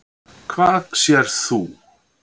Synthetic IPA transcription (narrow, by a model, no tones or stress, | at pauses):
kʰvaːðsjɛɾ̥θu